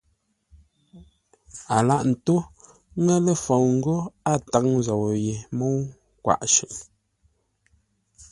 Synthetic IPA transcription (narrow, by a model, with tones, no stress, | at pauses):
a˨la˦ʔn̩˨tu˦ | ŋɛ˦le˦˨fo˨wŋ̩˦ɡo˦a˦ta˨˦ŋza˨wo˨je˨mo˦w | kwa̰˨ʔʃʉ̰˨ʔ